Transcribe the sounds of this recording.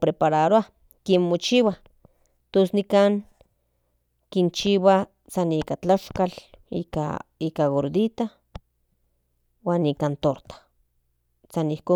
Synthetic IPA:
pɾepaɾaɾoa | kinmot͡ʃiwa | t̪osnikaŋ | kint͡ʃiwa | sanikat͡ɬaʃkalḭka̰ikaɣoɾd̪it̪a | waːnikant̪oɾt̪ḁ | sanihko

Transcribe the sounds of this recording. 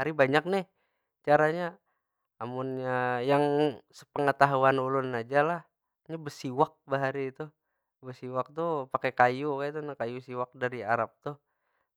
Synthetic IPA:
aɾibaɲak̚nɪh | t͡ʃaɾaɲaː | mʊnɲajaŋsə̥pəŋət̪aɦuanulʊnad͡ʒalah | ɲabəsiwak̚bəɦaɾiːt̪u | bəsiwak̚t̪upakekajukat̪unakajusiwak̚daɾia̰ɾap̚t̪ʊh

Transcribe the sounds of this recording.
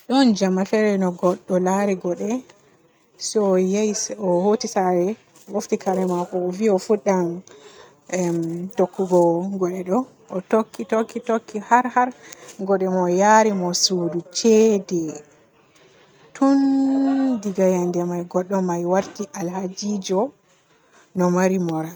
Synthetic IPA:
ɗɔnd͡ʒamafɛɾɛnɔɡɔɗːɔlaɾɛɡɔɗɛ | sɔjajisɔhotisaɾɛ | woftikaɾɛmakɔviɔfuɗːam | mtokːuɡɔɡɔɗɛɗɔ | ɔtokːitokːitokːihaɾhaɾɡɔɗɛmɔjaɾimɔsudut͡ʃɛdɛ | tʰun | diɡajandɛmajɡɔɗːɔmajwaɾtiʔalhad͡ʒid͡ʒɔ | nɔmaɾimɔɾa

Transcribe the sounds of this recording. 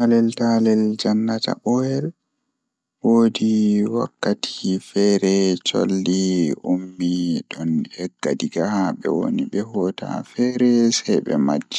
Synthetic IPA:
talɛltalɛld͡ʒanːata̰ʔɔɛl | woːdiwa̰kːatʰi̥fɛɾɛt͡ʃo̰lːiʔumːiɗɔnhɛɡːadiɡaaɓɛ̰wo̰niɓɛhɔta̰fɛɾɛsɛjɓɛ̰ma̰d͡ʒːɛ

